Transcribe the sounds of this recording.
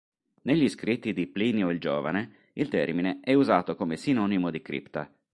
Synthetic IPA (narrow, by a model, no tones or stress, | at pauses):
neʎːiskɾit̪ːid̪ipliːnioild͡ʒoːvane | ilt̪ɛ̰rmineɛuzaːt̪okomesinɔːnimod̪ikɾḭpt̪a̰